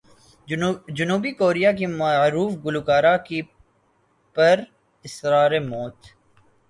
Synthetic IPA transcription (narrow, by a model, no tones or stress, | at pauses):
d͡ʒʊnuːbikoːɾijak̬imaɾuːfɡʊlukaːɾaki | pɐɾ | ɪsɾaːɾemoːt̪